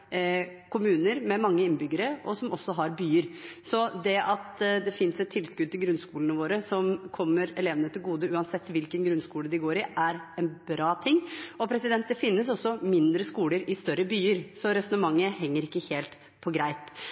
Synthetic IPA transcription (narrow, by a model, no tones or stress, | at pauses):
kʰʊmʉːnəɾmɛmɑŋːəɪnːbʏɡəɾəɔsɔmʔɔsːɔɦɑɾbyːəɾsɔd̪ɛʔɑt̪d̪ɛfɪnsɛt̪ʰːɪlskʉd̪t̪ʰɪlɡɾʉnskuːlənəʋoːɾəsɔmkʰɔmːəɾɛleːʋənət̪ʰɪlɡuːd̪əʉːɑnsɛt̪ːʋɪlkənɡɾʉnskuːləd̪ɪɡoːɾɪʔæɾɛnbɾɑːt̪ʰɪŋːɔpʰɾɛsɪd̪ɛnt̪̚d̪ɛfɪnːəsɔsːɔmɪnd̪ɾəskuːləɾɪst̪œɾːəbyːəɾsɔɾɛsɔnəmɑŋːəɦɛŋːəɾɪkːəheːlt̪ | pʰɔɡɾæɪt̪